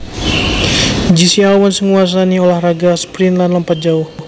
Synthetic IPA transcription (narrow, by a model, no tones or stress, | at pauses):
d͡ʒisialwɔnsəŋuas̬aniolahraɡasə̥pɾinlanləmpat̪̚d͡ʒauh